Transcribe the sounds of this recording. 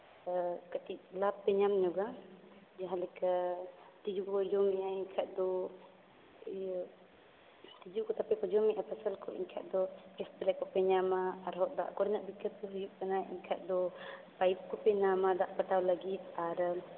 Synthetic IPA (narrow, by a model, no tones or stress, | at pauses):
kat̪iʔ̚lapːɛɲamɲɔɡa | d͡ʒaɦãlɛka | t̪id͡ʒukɔd͡ʒɔmiʔaiɲkʰaʔ̚d̪ɔ | t̪id͡ʒukɔt̪apɛkɔd͡ʒɔmiʔapʰasalkɔʔḭɲkʰa̰ʔ̪̚d̪ɔɛst̪ɛlɛkɔpɛɲamaːɾɦɔʔd̪a̰ʔkɔɾnaʔbikət̪̚kɔɦijuʔkanaʔḭɲkʰaʔ̚d̪ɔpajp̚kɔpɛɲamad̪aʔpaʈawlaɡit̪̚aɾ